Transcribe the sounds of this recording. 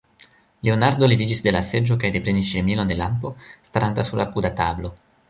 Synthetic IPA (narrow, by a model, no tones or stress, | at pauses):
leonaɾd̪o̞livid͡ʒisd̪e̞lase̞d͡ʒo̞kajd̪e̞pɾe̞nisʃemilo̞nd̪e̞lampo̞st̪aɾant̪asuɾlapud̪atablo̞